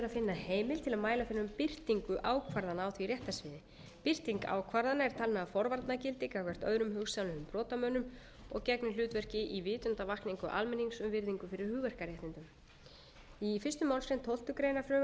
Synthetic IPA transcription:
ɾaðfɪnːaheːjmɪlt̪ʰɪlaðmaːjlafɪnːʏmpɪr̥t̪iŋkʏʔaːwkʰvaɾðanaːwθvirjɛht̪asvɪːðɪ | pɪr̥t̪iŋka̰ːwkʰvaɾðanaɛɾt̪ʰalmɛðafɔɾvaɾt̪nacɪlt̪ɪkawkʰvɛr̥t̪œ̰ðɾʏmɦʏɣsalʏʏmpɾɔːt̪amœːnʏm | ɔ̰ɣcɛknɪl̥ʏːt̪vɛr̥cɪʔivɪːt̪ʏnt̪avahkniŋkʏʔa̰lmɛnːiŋksʏmvɪɾðiŋkʏfɪɾɪɾ̥hʏɣvɛr̥kaɾjɛht̪ɪnt̪ʏm | ifɪst̪ʏmaːwlsfɾent̪ʰowl̥t̪ʏkɾejnafɾʏː

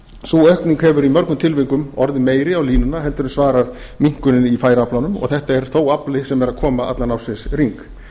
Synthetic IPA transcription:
suœhkniŋkhɛvʏɾimœɾknʏmt̪ʰɪlviŋkʏmɔɾðɪmeːjɾɪawliːnʏnːaɦɛlt̪ʏɾʏnsvaːɾaɾ̥ | miŋ̥kʏnɪnifaːjɾaplanʏmɔ̰ɣθɛht̪aɛɾ̥θowaplɪsɛmɛɾaðkʰɔːmaa̰t̪lanawsɛsriŋk

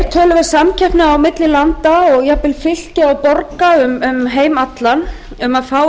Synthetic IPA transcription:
t̪ʰœːlʏvɛɾsamcʰɛhpnʏawmɪt̪lɪlant̪aɔɣjɛɣpɪlfɪl̥cɪawpɔɾkaʏmʏmɦeːjmat̪lan | ʏmaðfaːw

